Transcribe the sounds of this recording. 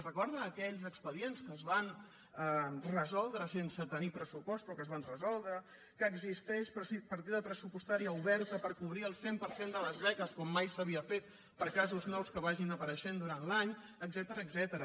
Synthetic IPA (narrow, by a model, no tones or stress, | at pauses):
rəkɔɾðəːkɛʎzəkspəðienskəzβan | ərəzɔlˠd̪ɾəsensət̪ənipɾəsupɔst̪pɾɔkəzβanrəzɔlˠd̪ɾə | kəːɡzist̪ɛʃpsipəɾt̪̬iðəpɾəsupust̪aɾiəuβɛɾt̪əpəɾkuβ̞ɾiəlˠsempəɾsend̪ələzβɛkəskɔmːajsəβiəfet̪ | pəɾkazuznɔwskəβaʒinəpəɾəʃend̪uɾanlaɲəɡzɛt̪əɾəːɡzɛt̪əɾə